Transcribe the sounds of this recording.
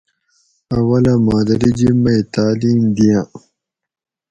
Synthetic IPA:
ɐwɐlɐmaːd̪ɐɾid͡ʑimɐit̪aːliːmd̪ijã

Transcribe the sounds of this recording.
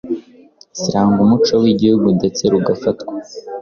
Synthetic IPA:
siɾaːŋɡumut͡ʃowiɟihuɡunde̞t͡se̞ɾuɡafatkwa

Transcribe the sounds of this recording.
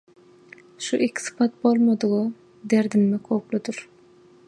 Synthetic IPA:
ʃuʔikʲʰi̥sɯ̥pʰɑt̪̚bolˠmɑd̪ɯʁɯ | d̪eɾd̪imːekʰoplˠud̪uɾ

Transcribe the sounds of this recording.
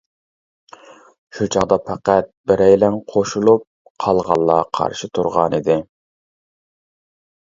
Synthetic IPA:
ʃut͡ʃʰɑʁd̪ɑpʰæqæt̪̚bɪɾɛjlæŋqʰoʃulˠup̚ | qʰɑlˠʁɑlˠːɑqʰɑ̰ɾʃɪt̪ʰuɾʁɑ̰nid̪ɪ

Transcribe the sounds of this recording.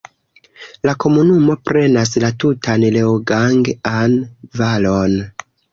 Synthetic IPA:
lako̞munumo̞pɾe̞naslatutʰanleoɡaŋɡanvalo̞n

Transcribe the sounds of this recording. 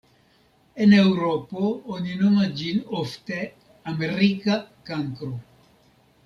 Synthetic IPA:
enewɾopooninomad͡ʒinoft̪e | ameɾikakaŋkɾo

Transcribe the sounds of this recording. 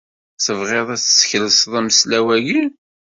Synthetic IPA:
θəvʁeðˤæθsçləsðˤæməslæwæʝi

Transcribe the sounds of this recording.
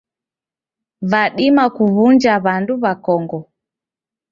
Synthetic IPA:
vaɗimakuβund͡ʒaβanduβakɔŋɡɔ

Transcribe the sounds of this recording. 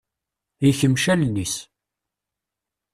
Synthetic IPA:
jəçəmʃælnːis

